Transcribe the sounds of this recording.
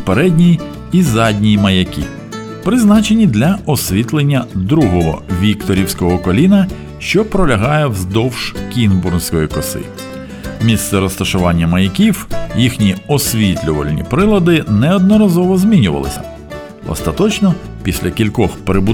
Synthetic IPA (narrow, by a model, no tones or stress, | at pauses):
peɾɛdʲnʲij | izɑdʲnʲijmɐjɐkʲḭ | pɾɪznɑt͡ʃenʲid̪lʲɐɔsʲʋʲit̪lˠenʲːɐd̪ɾuɦɔɦɔ̰ʋʲikt̪ɔɾʲiwsʲkɔɦɔkɔlʲinɐ | ʃt͡ʃɔpɾɔlʲɐɦɑjɛwzd̪ɔwʃkʲinburnsʲkɔjikɔsɪ̰ | mʲist̪sɛɾɔst̪ɐʃʊʋɑnʲːɐmɐjɐkʲiwjixnʲiɔsʲʋʲit̪lʲʊʋɐ̰lʲnʲḭpɾɪlˠɐd̪ɪnɛɔd̪nɔɾɐzɔʋɔzʲmʲinʲʊʋɐ̰lˠɪ̰sʲɐ̥̰ | ɔ̰st̪ɐt̪ɔt͡ʃnɔ | pʲisʲlʲɐkʲilʲkɔxpɾɪbu